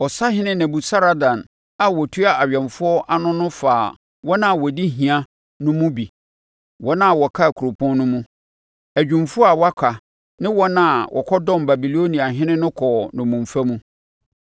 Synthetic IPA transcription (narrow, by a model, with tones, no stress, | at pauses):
ɔ˨sa˦ɦɪ̃˦nɪ̃˦næ̃˨bu˨sa˦ɾa˦dã˨n | a˦wɔ˨tʰu˦a˨a˨ɥᶣɛ̃˨nfʊ˦ɔ˦ʔa˨nʊ̃˦nʊ̃˦faː˨ | wɔ˦nã˦˨wɔ˨di˦ɦĩ˨ã˦ | nʊ̃˦mũ˦bi˨ | wɔ˦nã˦˨wɔ˨kʰa˦˨kʰu˨ɾo˨pʰɔ̃˦nnʊ̃˦mũ˦ | æ˨d͡ʑᶣũ˨mfʊ˦ɔ˦a˨wa˦kʷʰa˨ | nɪ̃˦wɔ˦nã˦˨wʔɔ̰˨kʰɔ˦dɔ̃˦˨mba˨bi˨lo˦nĩ˨a˨ɦɪ̃˦nɪ̃˦nʊ̃˦kʰɔ˨nʊ̃˨mũ˨mfæ˦mũ˦